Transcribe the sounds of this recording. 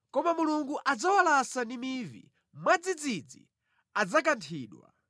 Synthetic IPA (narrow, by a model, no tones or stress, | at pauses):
kɔmamuluŋɡuʔad͡zawalasandimivḭ | mwad͡zid͡zid͡zḭ | ad͡zak̬antʰiːɗwa̰